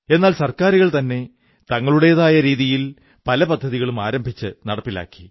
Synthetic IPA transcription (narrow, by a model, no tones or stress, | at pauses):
e̞nːaːlsɐrkaːɾuɣɐɭt̪ɐnːe̞ | t̪ɐŋːɐɭuɽe̞jɐðaːjɐɾiːðijil | pɐlɐpɐd̪ʱːɐðiɣɐɭumaːɾɐmbʱit͡ɕːɨnɐɽɐpːila̰ːkːi̥